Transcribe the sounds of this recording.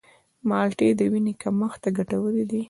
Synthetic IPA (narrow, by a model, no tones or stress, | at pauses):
mɑlʈed̪əwinekaməxt̪aɡaʈawəled̪i